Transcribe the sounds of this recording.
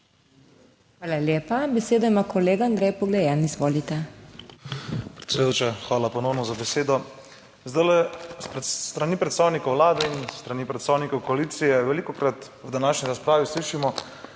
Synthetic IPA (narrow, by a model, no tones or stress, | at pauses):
xʋaːlaljeːpabɛseːd̪ɔimakɔleːɡaand̪ɾɛːjpɔɡlɛjɛnizʋoːlit̪ɛ | pɾɛt̪sʲɛd̪ujot͡ʃaxʋaːlapɔnownɔzabɛseːd̪ɔ | zd̪ajlɛspɾɛt̪ɾaniːpɾɛt̪st̪aːwnikɔwʋlaːd̪ɛinst̪ɾanipɾɛt̪saːwnikɔwkɔaliːt̪sijɛʋɛlikɔkɾat̪ | əd̪anaːʃniɾaspɾaːʋisliːʃimɔ